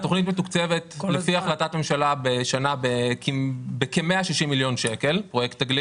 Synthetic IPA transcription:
t̪o̞χnit̪̬met̪ukt͡se̞ve̞t̪lefiaχlat̪atme̞mʃalabeʃanabekibekemeaʃiʃimːiljo̞nʃe̞ke̞lpʁo̞jekt̪ːaɡli

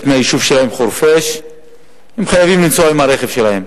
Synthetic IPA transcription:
tmeaiʃuvʃelahe̞mχuɾfeʃ | hemχajavimlimt͡soaimaɾeχev̥ʃelahem

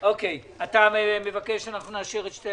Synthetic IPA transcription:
okej | ataemevakeʃanaχnunaʃiʁetʃte

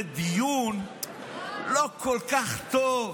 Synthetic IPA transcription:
d̪ijun | lokʰolkaχt̪ov

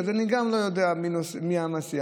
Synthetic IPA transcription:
d̪aniɡamlojod̪ɛaminosmiamasia

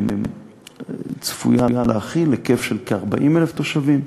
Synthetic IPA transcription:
t͡sfṵjajaleaχilːekefʃelkeaʁbaʔimeleft̪o̞ʃavim

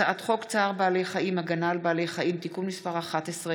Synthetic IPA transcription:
aʔat̪χo̞kt͡saːʁbaːlejχaʔimaɡanalbaːle̞jχaʔimt̪ikunmispaʁaχat̪esʁe

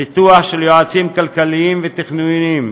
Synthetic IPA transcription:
it̪uaχʃeljoat͡simkalkaliimvet̪iχnuim

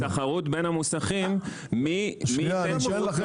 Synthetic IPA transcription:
taχaʁutbenhamusaχimː | iie

